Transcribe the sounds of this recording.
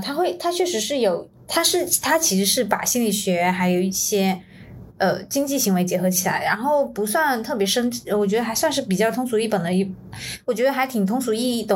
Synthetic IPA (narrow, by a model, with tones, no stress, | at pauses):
t̪ʰa˥xwe˥˩ɪt̪ʰa˥t͡ɕʰɥɛ˥˩ʂɻ̩˧˥ʂɻ̩˥˩jo˨˩˦ʊ | t̪ʰa˥ʂɻ̩˥˩˥t̪ʰa˥t͡ɕʰi˧˥ʂɻ̩˧˥ʂɻ̩˥˩pa̰˨˩ɕi˥nli˨˩ɕɥɛ˧˥xa˧˥ɪjo˨˩ʊi˥˩ɕjɛ˥ | ə˧t͡ɕi˥ŋt͡ɕi˥˩ɕi˧˥ŋwe˧˥ɪt͡ɕjɛ˧˥xɤ˧˥t͡ɕʰi˨˩la̰˧˥ɪɻa˧˥nxo˥˩ʊpu˧˥swa˥˧nt̪ʰɤ˥˩pjɛ˧˥ʂə˥ŋt͡ɕi˥˩wɔ˨˩t͡ɕɥɛ˧˥d̪ə˧xa˧˥ɪswa˥˧nʂɻ̩˥˩p̬i˨˩t͡ɕjɑ˥˩ʊt̪ʰʊ˥ŋsu˧˥i˥˩pə˨˩nd̪ə˦i˥˩wɔ˨˩t͡ɕɥɛ˧˥d̪ə˧xa˧˥ɪt̪ʰi˨˩ŋt̪ʰʊ˥ŋsu˨˧˩i˥˩i˥˩t̪ə˩